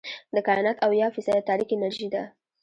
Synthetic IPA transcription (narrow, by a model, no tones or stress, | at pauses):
d̪əkɑjɑnat̪awjɑfɪsad̪at̪ɑɾixɪnaɾʒid̪a